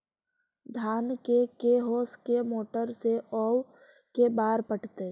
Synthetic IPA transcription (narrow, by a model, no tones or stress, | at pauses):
d̪ʱaːnkekeɦoːskemoːʈəɾseʔɔːw | kebaːɾpəʈʰt̪e